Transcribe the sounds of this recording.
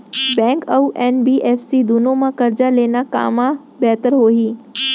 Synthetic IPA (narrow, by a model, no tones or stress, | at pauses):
bɛ̃ːŋkɐuʔeːnbiːʔeːfsid̪unõmãkɐɾd͡ʒaleːnaka̰ːmã | bɛːt̪əɾɦoːɦiː